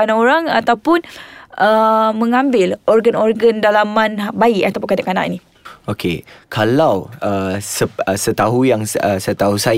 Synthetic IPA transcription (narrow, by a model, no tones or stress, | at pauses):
anaoɾaŋa̰t̪awpʊnəmə̃ŋãmbɪlʔɔrɡanɔrɡəndalamãnbaiʔat̪awpʊnkadãʔkana̰ʔḭnĩ | okʰekʰalawəsəəsət̪aɦujaŋəsət̪aɦusa